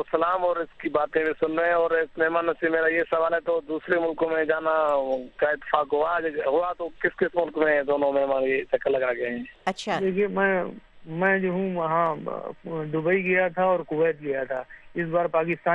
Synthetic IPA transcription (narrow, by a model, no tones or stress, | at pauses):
osɐlaːmɔːɾɪskibaːt̪ẽbʱisʊnɾəɛ̃ɔːɾɪsmɛɦmaːnːɐsiːbmeːɾajesɐʋaːlɦɛt̪od̪uːsɾemʊlkõmẽd͡ʒaːnakaɪt̪ːɪ̥faːkɦoad͡ʒɦoat̪okɪskɪsmʊlkmẽd̪oːnõmɛɦmaːnjet͡ʃɐkːəlːɐɡaɡɐɦɛ̃ːɐʃʰad̪eːkʰiemɛ̃mɛ̃ːd͡ʒoɦũɦã | d̪ʊbəiɡɐjat̪ʰaɔːɾkʊwːət̪ɡɐjat̪ʰaɪs̬baːɾpaːkɪst̪aː